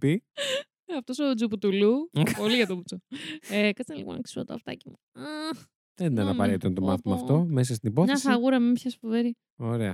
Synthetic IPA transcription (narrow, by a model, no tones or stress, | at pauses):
pi | ɐft̪o̞sod͡zuput̪ulupo̞liʝɐt̪oput͡soekɐt͡sɐnlipo̰nɐ̰ksi̥sot̪oɐ̰ft̪ɐ̰cimu | ɐ | ðenɐnɐpɐɾet̪t̪ɐnt̪o̞mɐθimɐːft̪o̞mes̬ɐst̪inipoθɲeɐsɐɣuɾɐmempçɐsfuveɾi | oɾe̞ɐ̰